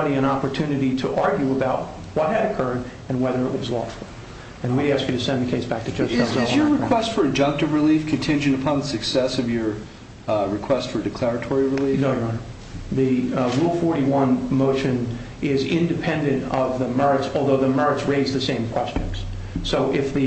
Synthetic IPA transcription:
ɾiɨ̃ɾ̃ɑpə˞tʰʉ̃nɨɾiɾəʔɑɹɡjʉəbaʊt̚ | wʌt̚hɨɾɨkʰɜ˞ɾɨ̃nwɛðə˞əʔ̚wʌzlɔ̰fl̩ˠ | ɨ̃nwiɾæskjɨɾɨsɛ̃nðɨkʰeɪsb̥æk̚tʰɨ̥d͡ʒʌszzɨjə˞ɹɨkkw̥ɛstfə˞ɨd͡ʒʌ̃ŋk̚tɨvɹɨlifkʰɨ̃ntʰɪ̃nd͡ʒɨ̃ñɨpʰɑ̃nðəsɨksɛsʌvjə˞ | ɹɨkʰw̥ɛstfə˞ɨdɨkʰl̥ɛɹɨtʰɔɹiɹɨlinoʊjã | ðɨɹulˠfɔɹɾiwʌ̃nmoʊʃɨ̃n | ɪzɪ̃ndɨpʰɛ̃ndɨ̃ntʌvðɨmɛ˞ɨtsɔlˠðoʊðɨmɛ˞ɨtsɹeɪzðɨsẽɪ̃mkʰw̥ɛst͡ʃɨ̰̃nz̥ | soʊʔɪfðɨ

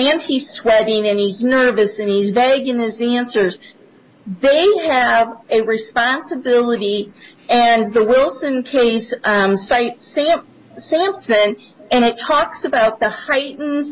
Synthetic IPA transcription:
ɨ̃n̚iz̥swɛɾɪ̃ŋɨ̃niznɜ˞vɨsɨ̃nizvæɡɨ̃nɨzæ̃nsə˞z | ðeɪɨvɨɹɨspɑ̃nsɨbɪlˠəɾi | ɨ̃nðəwɪlˠsɨ̃nkʰeɪssaɪtsæ̃m | sæ̃mpsɨ̃n | ɨ̃ñɨtʰɔksɨbaʊt̪̚ðəhaɪʔn̩z̥

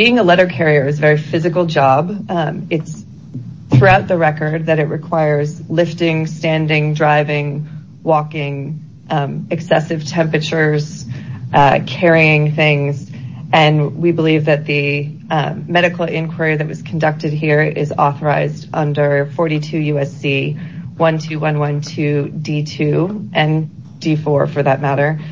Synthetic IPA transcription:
b̥iɪ̃ŋəlɛɾə˞kʰɛɹiə˞ɨzvɛɹifɪzɨkl̩ˠd͡ʒɑbɨts | θɹʉaʊt̪̚ðɨɹɛkə˞d̪̚ðɨɾɨʔ̚ɹʔɨkʰw̥aɪə˞zlɪftɪ̃ŋstæ̃ndɪ̃ŋdɹaɪvɪ̃ŋ | wɔkɪ̃ŋ | ɨksɛsɨv̥tʰɛ̃mpɹɨt͡ʃə˞z̥ | kʰɛɹiɪ̃ŋθɪ̃ŋz | ɨ̃nwibəlivðɨt̪̚ðɨ | mɛɾɨkl̩ˠɪ̃nkʰw̥ə˞iðɨt̚wʌz̥kʰn̩dʌk̚tɨd̚ɦiɹɪ̰zɔ̰θə˞aɪzdʔʌ̃ndə˞fɔɹɾitʰʉjʉɛsiwʌ̃ntʰʉwʌ̃nwʌ̃ntʰʉditʰʉʔɨ̃n | d̥ifɔɹfə˞ðət̚mæɾə˞

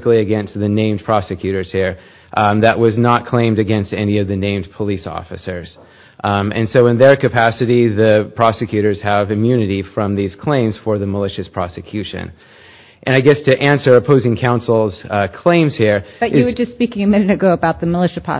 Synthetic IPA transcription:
klˠiɨɡɛ̃nst̪̚ðɨnẽɪ̃mpʰɹ̥ɑsɨkʰj̥ʉɾə˞z̥hiɹ | ðəʔ̚wʌznət̚kʰl̥ẽɪ̃mdɨɡɛ̃nstɛ̰niʌvðɨnẽɪ̃mdpʰəlisɔ̰fɨsə˞z̥ | ɨ̰̃nsoʊə̃nðə˞kɨpʰæsɨɾiðɨpʰɹ̥ɑsɨkʰj̥ʉɾə˞z̥ɨvɨ̃mjʉnɨɾifɹʌ̃mðiz̥kʰl̥ẽɪ̃mz̥fə˞ðəməlɪʃɨspʰɹ̥ɑ̰sɨkʰj̥ʉʃɨ̰̃n | ʔɨ̃ñaɪɡɛstʰɨʔæ̃nsə˞ɨpʰoʊzɪ̃ŋkʰãʊ̃nsl̩ˠz̥kʰl̥ẽɪ̃mz̥hiɹʌɪzwə˞d͡ʒʌstspikɪ̃ŋɨmɪ̃nɨɾɨɡoʊəbaʊt̪̚ðɨməlɪʃɨpʰɹ̥ɑ̰

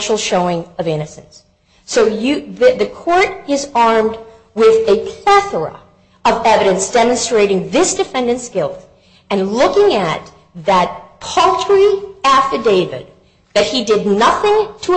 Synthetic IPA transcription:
nʃl̩ˠʃoʊɪ̃ŋʌvɪ̃ñɨsɨ̃nsː | oʊjɨðɨðɨkʰɔɹɾɪzɑɹmd̚ | wɪðɨpʰl̥ɛθə˞ə̰ | ʌvɛvɨɾɨ̃nsd̥ɛmɨ̃nstɹ̥eɪɾɪ̃ŋðɪsd̥ɨfɛ̃ndɨ̃ntsɡ̥ɪlˠt | ɨ̃nlʊkɪ̃ŋɨt̪̚ | ðɨt̚pʰʌlˠtʰɹiæftə˞deɪvɨ̰d̪̚ | ðɨt̚hidɨdⁿnʌθɪ̃ŋtʰə

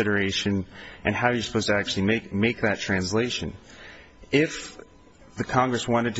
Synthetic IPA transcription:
ɪɾə˞eɪʃɨ̃nʔɨ̃nhaʊjə˞sə̥pʰoʊz̥tʰɨæk̚t͡ʃʉl̩ˠimeɪkmeɪk̚ðɨtʰɹ̥æ̃nsleɪʃɨ̃n | ɪf | ðɨkʰɑ̃ŋɡɹɨswɑ̃ɾ̃ɨd̚tʰ

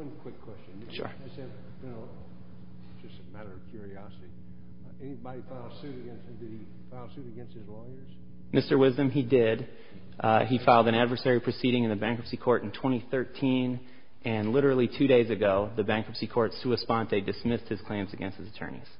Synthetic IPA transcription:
wʌ̃nkʰw̥ɪkʰːw̥ɛst͡ʃɨ̃nʃʊ̰ɹɨsɛd | ɨno | ʒ̥ʌstmæɾə˞ʌv̥kʰj̥ʊɹiɑsɨɾi | ɛnibɑɾifaɪlˠdsʉɾɨɡɛ̃nst̚hmdɨɾ̚i | faɪlˠsʉɾɨɡɛ̃nst̚hɨzlɔɪə˞z̥ | mɪstə˞wɪzdɨ̃midɪd | ifaɪlˠdɨ̃ɾ̃ædvə˞sɛɹipʰɹ̥ɨsiɾɪ̃ŋɨ̃nðɨbæ̃ŋkʌpsikʰɔɹɾn̩tʰw̥ɛ̃ɾ̃iθɜ˞tʰĩn | ʔɨ̃nlɪɾə˞l̩ˠitʰʉɾeɪzɨɡoʊðɨbæ̃ŋkʌpsikʰɔɹtsʉɨspɑ̃nðeɪdɨsmɪst̚hɨz̥kʰl̥ẽɪ̃mzɨɡɛ̃nst̚hɨzɨtʰɜ̰̃˞nḭz̥

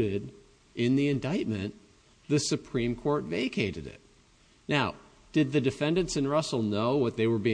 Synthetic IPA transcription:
ɾɪɾ | ʔɪ̃nðiɨ̃ndaɪt̚mɨ̃n | ðɨsɨpʰɹ̥ĩmkʰɔɹtveɪkʰeɪɾɨ̰ɾɪ̰t̚ | naʊ | d̥ɨd̪̚ðɨdɨfɛ̃ndɨ̃ntsɨ̃nɹʌsl̩ˠnoʊwʌt̪̚ðeɪwə˞bĩ

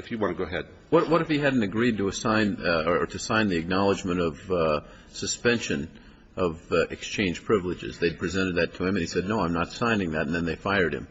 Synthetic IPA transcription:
ɨfjɨwɑ̃ñtʰəɡoʊəɦɛd̥̚ | wʌɾwʌɾɨfiɦædⁿn̩tɨɡɹid̚tʰəːsãɪ̃nəə˞ɾɨsãɪ̃nðiɨk̚nɑlˠəd͡ʒmɨ̃ɾ̃ʌv̥ | sɨspɛ̃nʃɨ̃n | ʔʌvɨ̰kst͡ʃʰẽɪ̃nʒ̥pʰɹ̥ɪvlɨd͡ʒɨ̰zðeɪd̚pʰɹ̥izɛ̃ɾ̃ɨd̪̚ðɨtʰɨɨ̃mɨ̃nisɛdⁿnoʊãɪ̃mnətsãɪ̃nɪ̃ŋðɨtn̩ðɨ̃nðeɪfaɪə˞d̚ɨ̰̃m

